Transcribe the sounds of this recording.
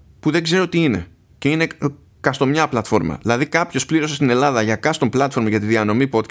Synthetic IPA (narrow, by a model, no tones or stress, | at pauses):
puðe̞ɡze̞ɾo̞t̪iine̞̰ | ceine̞ | kɐst̪o̞mɲɐplɐt̪fo̞ɾmɐ̰ðilɐðikɐpço̞spliɾo̞sest̪ine̞lɐðɐʝɐkɐst̪o̞mblɐt̪fo̞ɾmɐʝɐt̪iðiɐno̞mipo̞t̪k